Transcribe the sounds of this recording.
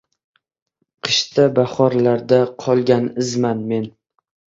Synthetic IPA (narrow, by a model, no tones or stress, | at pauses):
qʰɨ̥ʃt̪ʰabaχɒɾlaɾd̪aqʰɒlˠɡʲanɪzmanme̞n